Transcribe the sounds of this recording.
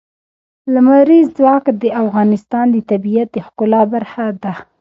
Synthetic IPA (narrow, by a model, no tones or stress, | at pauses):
lamaɾizzwɑkd̪əʔafɣɑnɪst̪ɑnd̪ət̪abijat̪̚d̪əxkʊlɑbaɾxad̪a